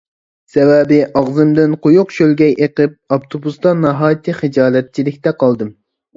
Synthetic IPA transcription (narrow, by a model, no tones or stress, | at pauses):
sɛwɛbɪʔɑʁzɨmd̪ɪnqʰojʊqʃølɡʲɛjʔeqɨp̚ɑpt̪ʰobust̪ɑnɑɦɑːjt̪ʰɨχɨd͡ʒɑːlɛt̪̚t͡ʃʰilɪkʲt̪ɛqɑlˠd̪ɨm